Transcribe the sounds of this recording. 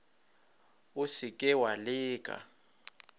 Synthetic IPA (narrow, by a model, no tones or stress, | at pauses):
usikʼɪwalɪːkʼa̰